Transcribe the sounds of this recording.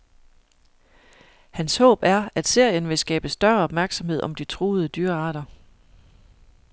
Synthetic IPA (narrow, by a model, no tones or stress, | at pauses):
hænshɔ̰̽ːb̥æɐæd̥se̝ɐ̰jənʋe̝sɡ̥ɛ̰ːb̥əsd̥ɶɐɒ̽b̥mæɐɡ̥sɒ̽mhe̝ð̞̰ˠɒ̽md̥it͡sʰʁoːðˠəd̥yːɐɑ̈ːɾ̥ɐ